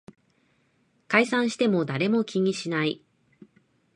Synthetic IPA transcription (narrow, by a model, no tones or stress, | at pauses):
kaisãɰ̃ɕi̥t̪e̞mo̞d̪aɾe̞mo̞kʲiɲ̟iɕinai